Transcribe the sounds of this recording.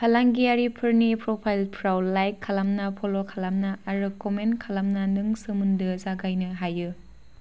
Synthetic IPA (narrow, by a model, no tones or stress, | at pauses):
kʰalaŋɡiaɾipʰɯɾnipɾopʰajlpʰɾawlajkʰːalamnɐpʰolokʰalamnɐʔːɾɯkomenkʰalamnɐnɯŋsɯmɯndɯzaɡajnɯɦajɯ